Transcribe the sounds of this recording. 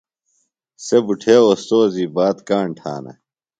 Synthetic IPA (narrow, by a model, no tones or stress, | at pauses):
sebuʈʰeːost̪oːziːbaːt̪kaːɳʈʰa̰ːnɐ̰